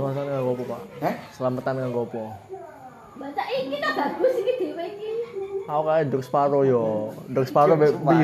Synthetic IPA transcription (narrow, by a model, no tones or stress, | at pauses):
ŋɔst̪ankakɔpɔpaʔsəlamət̪ankakɔpɔ | bat͡ʃaʔikit̪abaɡ̥ʊsikid̪̥iwekiaokajadɔk̚spaɾɔjɔdɔk̚spaɾɔbbi